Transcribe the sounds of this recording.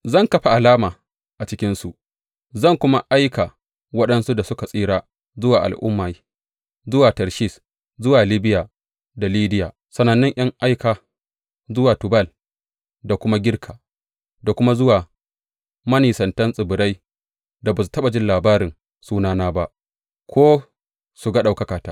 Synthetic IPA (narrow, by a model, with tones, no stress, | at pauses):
zɐ˦˨ŋkɐ˦ɸa˨ʔa˨laː˦maː˨ | ʔa˨t͡ʃɪ˦kʲɪ˦nsu˨ʔ | zɐ˦˨ŋkʷʊ˦ma˦ʔa˦jka˨ | wɐ˦ɗɐ˦nsu˦da˨sʊ˦ka˨sʼiː˦ɾaː˦ | zʊ˦waː˨ʔa̰˨lʔʊ̰˦mːaː˨j | zʊ˦waː˨tɐ˨ɾʃiː˦˨s | zʊ˦waː˨li˦bɪ˦jaː˨ | da˨liː˦dɪ˦jaː˨ | sɐ˨nɐ˨nːɪ˦ŋʔɐ˦ŋʔa˦jkaː˨ | zʊ˦waː˨tʊ˨bɐ˦˨l | da˨kʷʊ˦ma˦ɡʲɪ˦rkʰaː˨ | da˨kʷʊ˦ma˦zʊ˦waː˨ | mɐ˦niː˨sɐ˨ntɐ˦nsʼɪ˨bʊ˨ɾa˦j | da˨ba˨su̥˨tɐ˦ɓa˨d͡ʒɪ˦nlaː˨baː˦ɾɪ˨n | suː˦naː˦naː˦ba˦ʔ | kʰʷoː˦ | su˨ɡa˦ɗa˨wkɐ˦kaː˨taː˦